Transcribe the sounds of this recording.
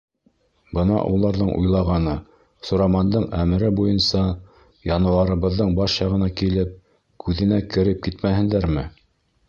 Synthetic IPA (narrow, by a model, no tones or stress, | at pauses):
bɤnɑ̰ʔulˠɑɾðɤɴʔṵjlˠɑʁɑnɤ | sŏɾɑmɑnd̪ɤɴæmɘ̆ɾɘbujɤnsɑ | jɑnɤ̆w̪ˠɑɾɤ̆βɤ̆ðːɤɴbɑʃjɑʁɤ̆nɑkilɘp̚ | kʰʉðɘ̆nækɘ̆ɾɘp̚kit̪mæɦɘ̆nd̪æɾmɘ